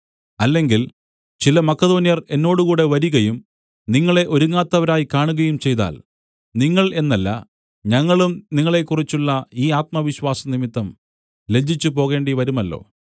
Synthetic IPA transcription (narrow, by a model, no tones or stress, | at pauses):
ɐlːe̞ŋɡil | t͡ɕilɐmɐkːɐðo̞ːnijɐre̞nːo̞ːɽukuːɽe̞ʋɐɾuɣɐjum | niŋːɐɭe̞ʔo̞ɾuŋːaːt̪ːɐʋɐɾaːjikaːɳuɣɐjumt͡ɕe̞jt̪a̰ːl | niŋːɐɭe̞nːɐlːɐ̰ | ɲɐŋːɐɭumniŋːɐɭe̞kːurit͡ɕːuɭːɐiːaːt̪̚mɐʋiɕwaːsɐnimit̪ːɐm | le̞d͡ʑʱit͡ɕːupo̞ːɣe̞ːɳɖiʋɐɾumɐlːo̞̰ː